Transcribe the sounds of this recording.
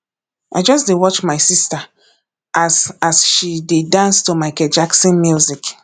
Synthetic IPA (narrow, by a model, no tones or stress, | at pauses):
ʔa̰ɪd͡ʒʌsdewɔt͡ʃmaɪsista | ʔasasʃidedãnstomaɪkɛd͡ʒaksɔ̃nmjuzik